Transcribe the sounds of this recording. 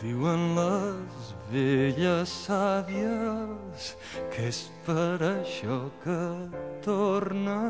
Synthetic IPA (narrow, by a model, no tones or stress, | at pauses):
d̪iwənləzβeʎəsaβiə | s | kʰespəɾəʃɔkət̪oɾnə